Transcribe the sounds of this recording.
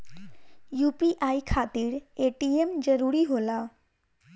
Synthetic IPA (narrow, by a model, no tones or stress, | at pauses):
juːpiʔaːikʰaːt̪iɾeːʈiemd͡ʒəɾuɾiɦolaː